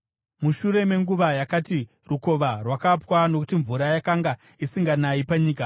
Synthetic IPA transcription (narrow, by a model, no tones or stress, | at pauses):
muʃuɾe̞me̞ŋɡuʋajakati | ruko̞ʋarwakapwano̞kutiɱvuɾajakaŋɡa | isiŋɡanaipaɲiːka